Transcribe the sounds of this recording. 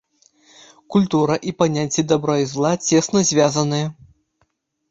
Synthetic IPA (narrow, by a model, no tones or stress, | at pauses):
kulʲt̪uɾɐʔipanʲat͡sʲːid̪abɾɔjizlˠat͡sʲɛsnɐzʲvʲazɐnɨjɐ